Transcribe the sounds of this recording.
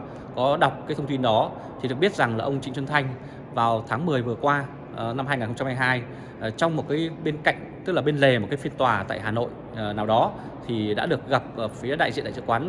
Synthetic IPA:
kɔ˨˦ɗa˨˩wk͡p̚kaː˨˦t̪ʰə˧ŋ͡mt̪i˧nɗɔ˨˦ | t̪ʰi˨˩ɗɨ˨˩ək̚ɓət̚za˨˩ŋlaː˨˩ʔə˧wŋ͡mt͡ɕï˧˦ŋ̟swə˧nt̪ʰa˧jŋ̟ | vaː˨˩wt̪ʰaː˨˦ŋmɨ˨˩əjvɨ˨˩əkwaː˧˨˩ | na˧mhaː˧jŋaː˨˩nxə˧ŋ͡mt͡ɕa˧mhaː˧jɦaː˧j | t͡ɕwŋ͡mmo˨˩t̚kaː˨˦jɓe˧nka̰˧˨jŋ̟t̪ɨ˦˥k̚laː˨˩ɓe˧nle˨˩mo˨˩t̚kaː˨˦fi˧ənt̪waː˨˩t̪a̰ː˧˨jɦaː˨˩no̰˧˨j | naː˨˩wɗɔ˨˦ | t̪ʰi˨˩ɗa̰ː˧˥ɗɨ˨˩ək̚ɣa˨˩p̚ːfi˨˦ɗa̰ː˧˨jz̰ḭ˧˨t̪a̰ː˧˨˩ɨ̰˧˨kwaː˨˦n

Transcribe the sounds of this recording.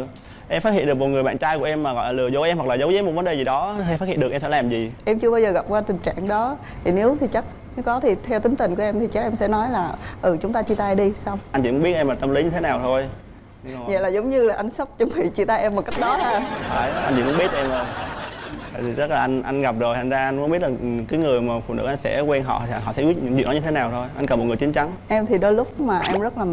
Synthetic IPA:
ʔɛ˧mfa˦˥t̚hḭ˧˨ɗɨ˨˩əkmo˨˩t̚ŋɨ˨˩əɓa̰ː˧˨nt͡ɕaː˧jku˧˩ʔɛ˧mːaː˨˩ɣɔ̰˧˨laː˨˩lɨ˨˩əzo˨˦ʔɛ˧mhwa˨˩klaː˨˩zə˨˦wzəː˨˦jm˨˩t̚və˨˦nɗe˨˩zi˨˩ɗɔ˨˦i˧faː˦˥hḭ˧˨nɗk̚ʔɛ˧msɛ˧˥˩laː˨˩mzi˨˩ʔɛ˧mt͡ɕɨ˧əɓaː˧wzəː˨˩ɣa˨˩p̚kwaː˧t̪ï˨˩ŋ̟t͡ɕa̰ː˧˨ŋɗɔ˨˦t̪ʰi˨˩ne˨˦wt̪ʰi˨˩t͡ɕa˦˥k̚ | nɨ˨˦kɔ˨˦t̪ʰi˨˩t̪ʰɛ˧wt̪ï˨˦ŋt̪ï˨˩ŋ̟ku˧˩əʔɛ˧mt̪ʰi˨˩t͡ɕa˦˥k̚ʔɛ˧msɛ̰˧˥nɔ˨˦jlaː˨˩ʔɨ˨˩t͡ɕʊ˨˦ŋ͡mt̪aː˧t͡ɕi˧˩t̪aː˧jɗi˧sa˧wŋ͡ma˧nt͡ɕḭ˧˩kŋ͡mɓt̚ʔɛ˧mlaː˨˩t̪ə˧mli˨˦ɲɨ˧t̪ʰe˨˦naː˨˩wt̪ʰo˧j | ɲɨ˧˨ɲa̰˧˨laː˨˩zə˨˦wŋ͡mɲɨ˧laː˨˩ʔa˧jŋ̟sə˦˥wk͡p̚t͡ɕə˧ŋ͡mvḭ˧˨t͡ɕi˧˩t̪aː˧jʔɛ˧mo˨˩ka˦˥k̚ɗɔ˨˦laː˨˩˧n˨faː˧˩jʔa˧nt͡ɕi˧˩mʊ˧˦ŋ͡mɓi˦˥ət̚ʔɛ˧mzo˨˩j̪ | a̰˧˨˩i˨˩zə˦˥laː˨˩ʔa˧ŋʔa˧ŋɣa˨˩p̚zo˨˩jt̪ʰa˨˩nzaː˧ʔa˧ŋkʊ˧˦ɓi˦˥ət̚laː˨˩˨kaː˨˦jŋɨ˨˩əjmaː˨˩fṵ˧˨nɨ̰˧˥ʔa˧nsɛ̰˧˥kwɛ˧nɦɔ̰˧˨˧ɦɔ̰˧˩sɛ̰˧˥ki˦˥t̚ɲɨ̰˧˥ŋzḭ˨nɔ˨˦ɲɨ˧t̪ʰe˨˦naː˨˩wt̪ʰo˧jʔa˧nkə˨˩mo˨˩t̚ŋ˨˩jt͡ɕi˨˦nt͡ɕa˨˦ŋʔɛ˧mt̪ʰi˨˩ɗo˧jlʊ˦˥k͡p̚maː˨˩ʔɛ˧mzə˦˥t̚laː˨˩

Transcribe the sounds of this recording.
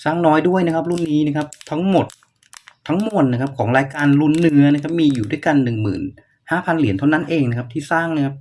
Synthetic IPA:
saː˥˩ŋnɔː˦˥jdu˥˩əjna˦˥kʰp̬̚ɾu˥˩nːiː˦˥na˦˥˩kʰa˦˥p̚t̪ʰa˦˥ŋmo˨˩t̪̚ʰː | a˦˥ŋmo˨˩ənna˦˥kʰa˦˥p̚kʰɔː˩˦ŋɾaː˧jkaː˧nlu˧˥˩nːɯ˦˥ɐna˦˥kʰa˦˥p̚miː˧juː˨˩du˥˩jka˧nːɯ˨˩ŋmɯ̰ː˨˩n | haː˥˩pʰa˧nli˨˩˦nt̪ʰa˥˩na˦˥nʔeː˧ŋna˦˥kʰa˦˥pt̪ʰiː˥˩saː˥˩ŋna˦˥kʰa˦˥p̚

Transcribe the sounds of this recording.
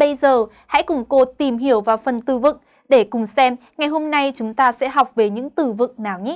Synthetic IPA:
ɓə˧jzəː˨˩ | ha̰˧˥jkʊ˨˩ŋ͡mko˧t̪i˨˩mɦi˧˩əwvaː˨˩wfə˨˩nt̪ɨ˧vɨ̰˧˨ŋ | ɗe˧˩kʊ˨˩ŋ͡msɛ˧mŋa˨˩jɦo˧mna˧jt͡ɕʊ˨˦ŋ͡mt̪aː˧sɛ̰˧˥ɦa˨˩wk͡p̚ve˨˩ɲɨ̰˧˥ŋt̪ɨ˧˩vɨ̰˧˨ŋ̚naː˨˩wɲi˨˦

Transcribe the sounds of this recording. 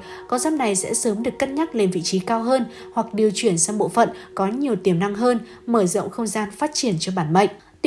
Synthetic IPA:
kɔ˧wzaː˦˥p̚na˨˩jsɛ̰˧˥səː˨˦mɗɨ˨˩əkːə˦˥t̚ɲa˦˥t̚le˧nvḭ˧˨t͡ɕi˨˦kaː˧wɦəː˧n | hwa˨˩k̚ɗi˨˩əwt͡ɕwi˧˩ənsa˧wɓo̰˧˨fə̰˧˨nkɔ˨˦ɲi˨˩əwt̪i˨˧˩əmna˧ŋɦəː˧n | məː˧˩zə̰˧˨wŋ͡mxə˧wŋ͡mzaː˧nfaː˦˥t̚t͡ɕi˧˩ənt͡ɕɔ˧ɓaː˧˩nmə̰˧˨jŋ̟ʔ

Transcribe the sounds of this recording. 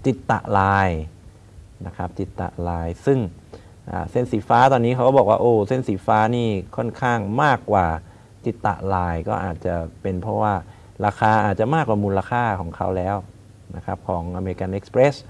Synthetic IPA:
t̪i˨˩t̪ːa̰˨ʔlaː˧j | na˦˥kʰɾa˦˥p̚t̪i˨˩t̪ːa̰˨˩ʔlaː˧jsɯ˥˩ŋ | ʔa̰ː˨˩se˥˩nsiː˨˩˦faː˦˥t̪ɔː˧nːiː˦˥kʰa˦˥kbɔː˨˩k̚wa̰ː˥˩ʔoː˧˩se˥˩nsiː˩˦faː˦˥niː˥˩kʰɔ˥˩nkʰaː˥˩ŋmaː˥˩kːwaː˨˩ | t̪i˨˩t̪ːa̰˨˩ʔlaː˧jkɔ̰ː˥˩ʔaː˨˩t̪̚t͡ɕa˨˩pe˧npʰɾɔ˦˥waː˥˩ | ɾaː˧kʰaː˧ʔaː˨˩t̪̚t͡ɕa˨maː˥˩kwaː˨˩muː˧la˧kʰaː˥˩kʰɔː˩˦ŋkʰa˦˥wlɛː˦˥w | na̰˦˥kʰa˦˥p̚kʰɔː˩˦ŋʔa˧me˧i˧ka˧nʔe˦˥k̚spɾe˦˥s

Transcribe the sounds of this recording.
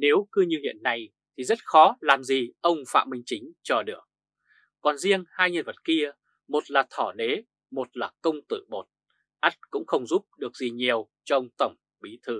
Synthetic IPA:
ne˨˦wkɨ˧ɲɨ˧hḭ˧˨ənːa˧˩j | t̪ʰi˨˩zə˦˥t̚xɔ˨˦laː˨˩mzi˨˩ʔə˧wŋ͡mfa̰ː˧˨mï˧ŋ̟t͡ɕï˨˦ŋ̟t͡ɕɔ˧ɗɨ˨˧˩ək̚ː | ɔ˨˩nzi˧əŋhaː˧jɲə˧nvə˨˩t̚ki˧ə | mo˨˩t̚laː˨˩t̪ʰɔ˧˩ɗe˨˦ | mo˨˩t̚laː˨˩kə˧wŋ͡mt̪ɨ̰˧˨ɓo˨˩t̚ | ʔa˦˥t̚kʊ̰˧˥ŋ͡mxə˧wŋ͡mzu˦˥p̚ɗɨ˨˩ək̚zi˨˩ɲi˨˩əw | t͡ɕɔ˧wŋ͡mt̪ə˧˩wŋ͡m | ɓi˨˦t̪ʰɨ˧

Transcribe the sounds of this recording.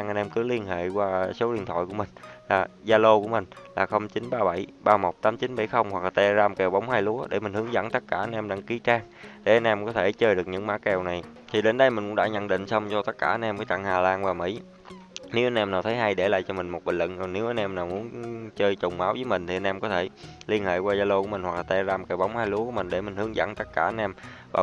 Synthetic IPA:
ŋʔa˧nʔɛ˧mkɨ˨˦li˧ənhḛ˧˨kwaː˧so˨˦ɗi˧˨ənt̪ʰwa̰˧˨jku˧˩əmï˨˩ŋ̟laː˨˩zaː˧lo˧ku˧˩əmï˨˩ŋ̟laː˨˩xə˧wŋ͡mt͡ɕi˨˦nɓaː˧ɓa˧˩jɓaː˧mo˨˩t̚t̪aː˨˦mt͡ɕi˨˦nɓa˧˩jxə˧wŋ͡mhwa˨˩k̚laː˨˩t̪ɛ˧zaː˧mkɛ˨˩wɓa˨˦wŋ͡mhaː˧jlu˨˦əɗe˧˩mi̟˨˩hɨ˨˦əŋzə̰˧˥nt̪ə˦˥t̚kaː˧˩ʔa˧nʔɛ˧mɗaː˧ŋki˨˦t͡ɕaː˧ŋ | ɗe˧˩ʔa˧nʔɛ˧mkɔ˨˦t̪ʰe˧˩t͡ɕəː˧jɗɨ˨˩k̚ɲɨ̰˧˥ŋmaː˧˦˥kɛ˨˩wna˨˩j | t̪ʰi˨˩ɗe˨˦nɗə˧jmï˨˩ŋkʊ˧˦ŋ͡mɗa̰ː˧˥ɲə̰˧˥nɗḭ˧˨ŋ̟sə˧wŋ͡mt͡ɕɔ˧t̪ə˦˥kaː˧˩ʔa˧nʔɛ˧mkəː˨˦jt͡ɕa̰ː˧˨ŋhaː˨˩laː˧nvaː˨˩mḭ˧˩˥ | ne˨˦wʔa˧nʔɛ˧mnaː˨˩wt̪ʰə˨˦jɦa˧jɗe˧˩la̰ː˨jt͡ɕɔ˧mï˨˩ŋ̟mo˨t̚ɓḭ˧˩n̟lə̰˧˨n˨˩ne˨˦wʔa˧nʔɛ˧mnaː˨˩wmu˨˦ənt͡ɕəː˧jt͡ɕʊ˨˩wŋ͡mmaː˨˦wzəː˨˦jmï˨˩ŋ̟t̪ʰi˨˩ʔa˧nʔɛ˧mkɔ˨˦t̪ʰe˧˩li˧ənhḛ˧˨kwaː˧zaː˧lo˧ku˧˥mi̟˨˩hwa˨˩k̚laː˨˩t̪ɛ˧zaː˧mkɛ˨˩wɓa˨˦wŋ͡mhaː˧jlu˨˦ku˧˩˦mï˨˩ŋ̟ɗe˧˩mï˨˩ŋ̟hɨ˨˦əŋzə̰˧˥ŋt̪ə˦˥t̚kaː˧˩ʔa˧nʔɛ˧mvaː˨˩

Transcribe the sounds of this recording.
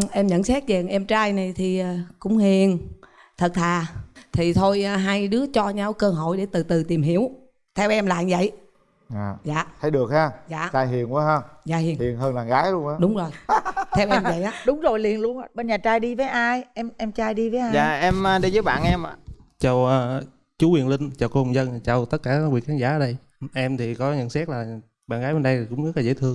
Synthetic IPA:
ʔɛ˧mɲə̰˧˨nsɛ˦˥t̚zɛ˨˩ŋʔɛ˧mt͡ɕaː˧jna˨˩jt̪ʰi˨˩ʔa˨˩kʊ̰˧˥ŋ͡mhi˨˩ən | t̪ʰə˨˩t̚t̪ʰaː˨˩t̪ʰi˨˩t̪ʰo˧jɦa˧jɗɨ˨˦ət͡ɕɔ˧ɲa˧wkəː˧ɦo̰˧˨jɗe˧˩˦t̪ɨ˨˩t̪ɨ˨˩t̪i˨˩əmɦi˧˥əw | t̪ʰɛ˧wʔɛ˧mla̰ː˧˨nzə̰˧˨j | a˨˩za̰ː˨t̪ʰə˨˦jɗɨ˨˩ək̚haː˧za̰ː˧˨t͡ɕaː˧jɦi˨˩ənʔa˨˦ɦəː˧za̰ː˨˩hi˨˩hi˨˩ənɦəː˧nlaː˨˩ŋɣaː˨˦jlənʔaː˨˦ɗʊ˨˦ŋ͡mzo˨˩jt̪ʰɛ˧wʔɛ˧mvə̰˧˨jʔaː˨˦ɗʊ˨˦ŋ͡mzo˨˩jli˨˩ənlu˧ənʔa˨˧˩ɓe˧nɲaː˨˩t͡ɕaː˧jɗi˧vəː˨˦jʔaː˧jʔɛ˧mʔɛ˧mt͡ɕaː˧jɗi˧vəː˨˦jʔaː˧˨zaː˨ʔɛ˧məː˧ɗə˧jzəː˨˦jɓa̰ː˧˨nʔɛ˧mʔa̰ː˨t͡ɕə˨˩wəː˧ | t͡ɕu˨˦wi˨˩ənlï˧ŋ̟t͡ɕaː˨˩wko˧ŋ͡mzə˧nt͡ɕa˨˩wt̪ə˦˥t̚kaː˧˩˦kwi˨˩ənxaː˨˦nzaː˧˩˨əː˨˩ɗə˧j | ʔɛ˧mt̪ʰi˨˩kɔ˨˦ɲə̰˧˨nsɛ˦˥t̚laː˨˩ | ɓa̰ː˧˨nɣaː˨˦jɓe˧nɗə˧jkʊ̰˧˥ŋ͡mzə˦˥la˨˩zə̰˧˩˦t̪ʰɨ˧əŋ

